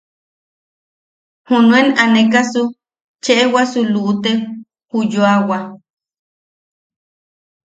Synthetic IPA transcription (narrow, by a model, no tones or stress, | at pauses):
hunũenanẽkasu | t͡ʃeʔewasuluʔut̪e | hujoawa